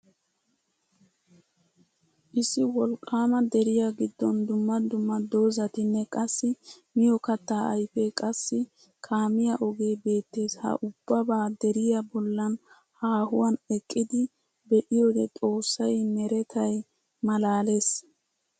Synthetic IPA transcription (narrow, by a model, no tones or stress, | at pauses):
ʔɪsːɪwɔlkʼːaːmɐd̪ɛɾɪjaɡɪd̪ːɔnd̪ʊmːɐd̪ʊmːɐd̪o̞ːzɐt̪ɪnːɛkʼɐsːɪmɪjɔkɐt̪ːaːɐjfɛkʼɐsːɪ | kʰaːmɪjaʔɔɡe̞ːbe̞ːt̪ːe̞ːshɐ̰ʔʊb̥ːɐbaːd̪ɛɾɪjɐbɔlːɐn | haːhʊwɐnɛkʼːɪd̪ɪ | bɛʔɪjoːd̪ɛt̪ʼo̞ːsːɐjmɛɾɛt̪ʰɐj | mɐlaːle̞ːs